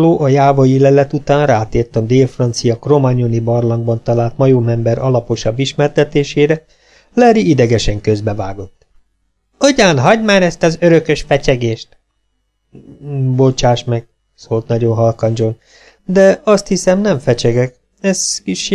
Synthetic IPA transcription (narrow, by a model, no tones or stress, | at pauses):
loːʔɒjaːvojilɛlɛt̪ut̪aːnraːt̪eːrt̪ɒmd̪eːlfrɒnt̪sijɒkro̞maɲonibɒrlɒŋɡbɒnt̪ɒlaːlt̪mɒjoːmɛmbɛɾʔɒlɒpo̞ʃɒbːiʃmɛrt̪ɛt̪eːʃeːɾɛ | lɛɾiid̪ɛɡɛʃɛŋkøzbɛvaːɡo̞t̪ː | oɟaːnɦɒɟmaːnɛst̪ɒzøɾø̞kø̞ʃfɛt͡ʃɛɡeːʃt̪ | bot͡ʃaːʃmɛɡ̥ | soːlt̪nɒɟo̞nɦɒlkɒnd͡ʒo̞n | d̪ɛɒst̪hisɛmnɛɱfɛt͡ʃɛɡɛk | ɛzkiʃ